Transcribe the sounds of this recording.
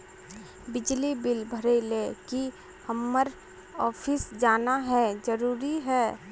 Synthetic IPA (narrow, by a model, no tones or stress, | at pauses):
bɪd͡ʒlibɪlbʱəɾeɪleki | həmːəɾ | ɔːpʰɪsd͡ʒaːnaɦɛd͡ʒəɾuːɾiɦɛː